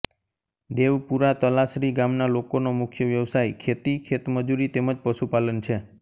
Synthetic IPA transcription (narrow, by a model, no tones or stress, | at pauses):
d̪eʋpuɾat̪əlasɾiɡamnalokonomʊkʰjəʋjəʋsajkʰet̪ikʰet̪məd͡ʒuɾit̪eməd͡ʒpəʃupalənt͡ʃʰe